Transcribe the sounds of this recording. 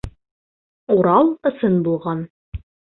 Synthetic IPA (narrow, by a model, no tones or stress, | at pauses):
uɾɑlˠɤ̆sɤnbulˠʁɑn